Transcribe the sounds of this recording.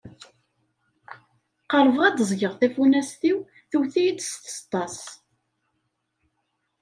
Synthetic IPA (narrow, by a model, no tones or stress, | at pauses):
qələvʁæd̪zˤʝəʁθæfunæsθiw | θuwθijid̪st̪ə̥st̪ˤːɑs